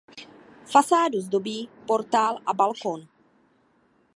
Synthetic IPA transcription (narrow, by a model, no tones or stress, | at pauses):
fasaːduzdobiːpoɾt̪aːlʔabalkon